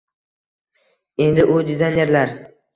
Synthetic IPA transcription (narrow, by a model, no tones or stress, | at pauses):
e̞nd̪ɪʔʊd̪ɪzajne̞ɾlaɾ